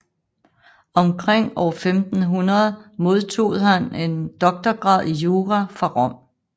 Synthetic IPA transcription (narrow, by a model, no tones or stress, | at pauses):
ɒ̽mkʰʁeŋ̰ɒ̰ʊɐfemd̥n̩ɦunɐð̞ˠmo̝ð̞ˠt͡sʰo̝̰ːð̩ˠhæne̝nd̥ɒ̽ɡ̥̚d̥ɐɡ̥ʁɑ̰̈ð̞̰ˠijoːʁæfɑ̈ʁɒ̽m̰